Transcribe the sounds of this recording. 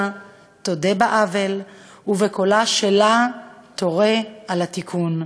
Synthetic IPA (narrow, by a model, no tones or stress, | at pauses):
t̪odebaʔavel | uvekolaʃelat̪oʁealat̪ikʰun